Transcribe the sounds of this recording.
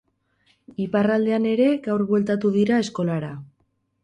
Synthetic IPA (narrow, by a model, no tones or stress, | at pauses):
iparald̪e̞ane̞ɾe̞ɡawrβwe̞lt̪at̪uðiɾae̞sko̞laɾa